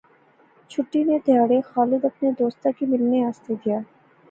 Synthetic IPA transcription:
t͡ʃʰʊʈːined̪ʱjaːɽexaːlɪd̪ɐpned̪oːst̪akimɪlneaːst̪ed̪ijaː

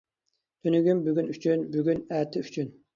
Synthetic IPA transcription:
t̪ʰønyɡʲymbyɡʲynyt͡ʃʰynbyɡʲynæt̪ʰɪyt͡ʃʰyn

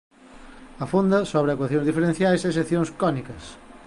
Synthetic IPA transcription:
ɐfund̪ɐsoβɾɪakwaθjõŋzðifeɾẽn̟θjajseseθjõŋskɔnikɐs

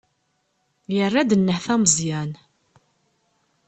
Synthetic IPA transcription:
jərːæd̪ənːəħθæməzˤjæn

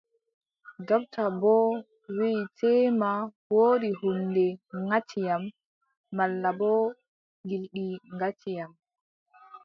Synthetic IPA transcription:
d͡ʒɔb̚tabɔ | witʰɛma | woːɾihundɛŋat͡ʃːijamː | alːabɔ | ɡilɗiŋɡat͡ʃːijam

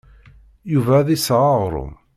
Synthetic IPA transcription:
juvæðisʁɑʁɾˤʊ̰

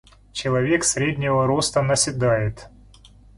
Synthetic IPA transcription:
t͡ɕɪlˠɐvʲeksɾʲedʲnʲɪvəɾost̪ənəsʲɪd̪ajɪt̪

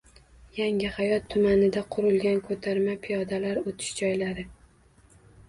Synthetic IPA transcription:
jaŋɪhajɒt̪ʰːʊmanɪd̪aqʰʊɾʊlɡʲankʰot̪ʰaɾmapʰijɒd̪alaɾot̪ʰɪ̥ʃd͡ʒɒjlaɾɪ

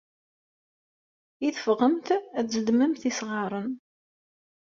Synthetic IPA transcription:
iθəfʁəmt̪æθzəd̪mæmθisʁɑɾˤən

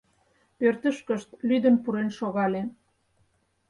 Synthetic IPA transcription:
pørt̪əʃkəʃt̪lyd̪ənpuɾenʃoɣɑle

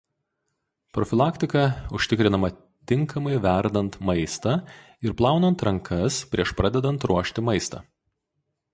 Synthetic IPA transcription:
pɾɔfʲɪlˠɑːkʲt̪ʲɪkɐʊʃʲt̪ʲɪkɾʲɪnɐmɐ | t̪ʲɪŋkʰɐmɐɪʋʲæˑɾd̪ɐnt̪mɐɪst̪ɐ | ɪɾplˠɑˑʊnɐnt̪ɾɐŋkʰɐspʲɾʲiɛʃpɾɑːd̪ʲɛd̪ɐnt̪ɾuɔʃʲt̪ʲɪmɐɪst̪ɐ̰

